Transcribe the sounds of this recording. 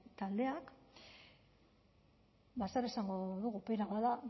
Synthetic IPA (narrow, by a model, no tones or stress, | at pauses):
t̪ald̪e̞ak | basaɾesaŋɡo̞ðuɣupeɾaβaða